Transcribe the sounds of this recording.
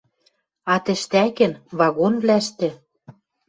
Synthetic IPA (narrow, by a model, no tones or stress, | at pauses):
ɑt̪ɘ̆ʃt̪ækɘ̆nβɑɣonβlæʃt̪ɘ̆